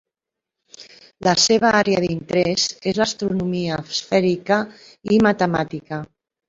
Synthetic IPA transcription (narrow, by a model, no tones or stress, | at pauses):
ləseβ̞aaɾeaðint̪ɾezezlast̪ɾunumiaːsfɛɾikə | imat̪əmat̪ikə